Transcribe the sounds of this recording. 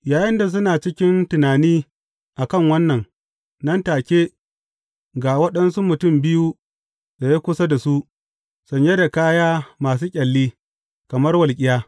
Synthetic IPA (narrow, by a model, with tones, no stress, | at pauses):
jaː˨jɪ˦nda˨s̬ʊ˦naː˨t͡ʃɪ˦kʲɪ˦ntʊ˨naː˨niː˦ | ʔa˨kɐ˦˨ŋwɐ˦nːɐ˨ŋ | nɐ˦ntaː˨kʲeː˦ | ɡa˨wɐ˦ɗɐ˦nsu˦mʊ˨tʊ˦˨mbɪ˦ju˦ | da˨je˦kʷʊ˦sa˦da˨su˦ʔ | sɔ˨ɲjɐ˦da˨kaː˦jaː˦maː˨s̬uː˦kʲʼɐ˨lːiː˦ | kɐ˨mɐ˦rwɐ˨lkʲʼɪ˦jaː˦